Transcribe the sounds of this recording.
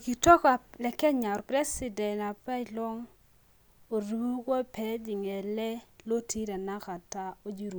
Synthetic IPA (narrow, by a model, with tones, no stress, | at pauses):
ki˨tɔ˦ka˨lɛ˨kɛ˦ɲa˨ɾpɾɛ˦si˨dɛ˨na˨pa˦˨lɔ˦ŋ | o˨ɾu˨bu˦kwɔ˦pɛ˨˦d͡ʒi˨ŋɛ˨lɛ˦lo˦ti˦ɾa˨na˦ka˨ta˦o˦d͡ʒi˦ɾu˨